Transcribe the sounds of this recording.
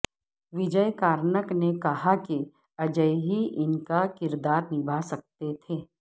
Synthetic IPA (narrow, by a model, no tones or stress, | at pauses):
ʋɪd͡ʒəjkaːɾnəknekɐɦaki | ɐd͡ʒəjɦiʔɪnkakɪɾd̪aːɾnɪbʱasɐk̚t̪et̪ʰeː